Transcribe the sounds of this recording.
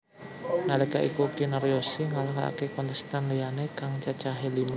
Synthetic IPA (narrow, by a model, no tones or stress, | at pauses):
nalekaʔikukinaɾiosiŋalaɦaa̰kekɔnt̪əst̪anlijanekaŋt͡ʃat͡ʃaɦelima